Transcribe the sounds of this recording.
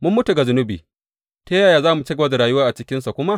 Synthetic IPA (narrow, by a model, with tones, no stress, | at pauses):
mʊ˦mːʊ˦tu˨ɡa˨zʊ˦nʊ˦biː˨ | ta˦jaː˨jaː˨zaː˦mu˨t͡ʃi˦ɡa˦da˨ɾaː˨jʊ˦waː˦ʔa˨t͡ʃɪ˦kʲɪ˦nsa˨kʷʊ˦ma˦ʔ